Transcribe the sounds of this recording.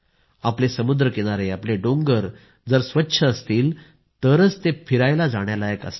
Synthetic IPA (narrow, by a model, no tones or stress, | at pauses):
aplesəmud̪ɾəkeɽ̃aɾeapleɖoŋɡəɾ | d͡zəɾsʋətːɕʰəəst̪iːl | t̪əɾət͡st̪efʰiɾajlad͡zaɽ̃jaləjəkə̰st̪